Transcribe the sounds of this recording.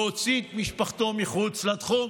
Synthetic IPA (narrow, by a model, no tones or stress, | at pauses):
ot͡sit̪miʃpaχt̪omiχut͡slat̪χum